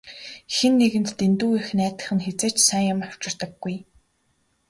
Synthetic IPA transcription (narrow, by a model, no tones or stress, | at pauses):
xenːeɣɘ̆nt̪ːent̪uːix̆næːt̪ə̆χɘ̆nxet͡seːt͡ɕsæŋʊ̆maw̥t͡ɕɪ̆r̥t̪ə̆ɡːuj